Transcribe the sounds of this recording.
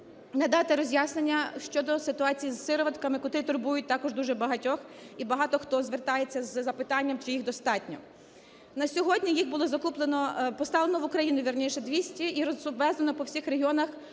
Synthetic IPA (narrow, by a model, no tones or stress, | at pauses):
nɐd̪ɑt̪ɪɾɔzʲjasnenʲːɐʃt͡ʃɔd̪ɔsɪt̪ʊɑt͡sʲijizsɪɾɔʋɐt̪kɐmɪkɔt̪ɾɪt̪ʊrbujʊt̚ʲt̪ɑkɔʒd̪uʒɛbɐɦɐtʲɔxibɐɦɑt̪ɔxt̪ɔzʋert̪ɑjet͡sʲːɐzzɐpɪt̪ɑnʲːɐmt͡ʃijixd̪ɔst̪ɑtʲnʲɔ̰ | nɐsʲɔɦɔdʲnʲijixbʊlˠɔzɐkuplˠenɔpɔst̪ɑʋlˠenɔʋʊkɾɐjinʊʋʲirnʲiʃɛd̪ʋʲisʲtʲiiɾɔʊʋɛznɐnɔpɔwsʲixreɦʲiɔnɐx